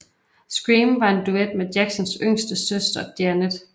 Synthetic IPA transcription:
sɡ̥ʁiːmʋɑ̈e̝nd̥ued̥̚med̥jæɡ̥sɒnsøŋ̰sd̥əsøsd̥ɐd̥jæned̥

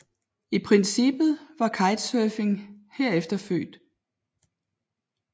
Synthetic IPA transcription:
ipʰʁɛnsib̥ð̩ˠʋɑ̈kʰɑ̈ɪd̥søːfe̝ŋheɐ̰efd̥ɐfø̰ːd̥

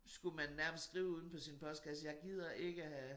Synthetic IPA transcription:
sɡ̥umænːæɐməsd̥sɡ̥ʁiːʊuð̞ˠn̩pʰɒ̽sinpʰɒ̽sd̥̚ɡ̥ʰæsdəjɑ̈ɪɡ̥ið̰ˠɐʔe̝ɡ̥əæhæ

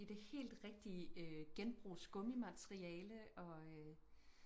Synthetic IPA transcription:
id̥e̝he̝̰ːld̥ʁɛɡ̥̚d̥iəøɡ̥enb̥ʁṵːsɡ̥ɔ̽mimæt͡sʰʁiɛːləɒ̽ø

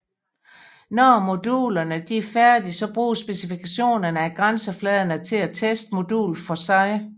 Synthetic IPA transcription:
nɒmo̝d̥ṵːlɐnəd̥iæɐfæɐd̥isɒ̽b̥ʁṵːsb̥esifikʰæɕo̝̰ːnɐnəæɡ̥ʁansəflɛːð̞ˠɐnət͡sʰe̝læt͡sʰesd̥mo̝d̥ṵːlfɒ̽sɑ̈ɪ

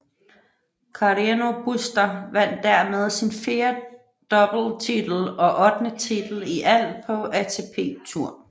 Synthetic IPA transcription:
kʰɑʁino̝b̥usd̥ɐʋæn̰d̥ːæɐ̰með̞ˠsinfe̝ːɐ | d̥ɒ̽b̥l̩t͡sʰid̥l̩ɒ̽ʔɒ̽d̥nət͡sʰid̥l̩iʔæl̰pʰɒ̽æt͡sʰe̝pʰe̝̰ːt͡sʰuɐ̰

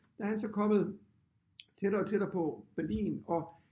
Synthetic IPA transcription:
d̥æhænsɒ̽kʰɒ̽m̰ð̩ˠ | t͡sʰeɾ̥ɐːt͡sʰe̝d̥ɐpʰɒ̽b̥æɐlḭːnɒ̽

